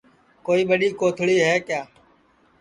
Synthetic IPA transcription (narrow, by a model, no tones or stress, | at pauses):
koːiːɓəɗiːkoːt̪ʰɭiːɦɛːkjaː